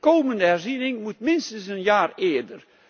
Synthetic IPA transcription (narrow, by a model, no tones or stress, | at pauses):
kowməndəɦɛrzinɪŋmutmɪnstənsənjaːrɪːrdər